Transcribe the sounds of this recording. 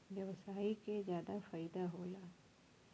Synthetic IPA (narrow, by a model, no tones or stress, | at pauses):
ʋjɐʋsaːikezjaːd̪afaɪd̪aɦoːlaː